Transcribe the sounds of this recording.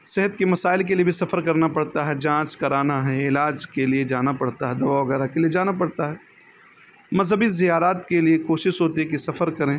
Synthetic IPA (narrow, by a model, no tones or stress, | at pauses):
sɛɦət̪kimɐsaːɪlk̬eliebʱisɐfəɾkɐɾnapɐɽt̪aɦɛd͡ʒãːt͡ʃkɐɾaːnaɦɛɪlaːd͡ʒkelied͡ʒaːnapɐɽt̪aɦɛd̪ɐbaːʋɐɣɛːɾakelied͡ʒaːnapɐɽt̪aɦɛ | mɐzɦəbizijaːɾaːt̪keliekoːʃɪʃɦoːt̪iɦɛkisɐfəɾkɐɾẽː